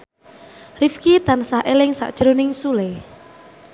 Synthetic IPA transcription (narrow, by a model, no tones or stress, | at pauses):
rifkit̪ansahʔelɪŋsa̰ʔd̥ʒ̥ɾonɪŋsulɛ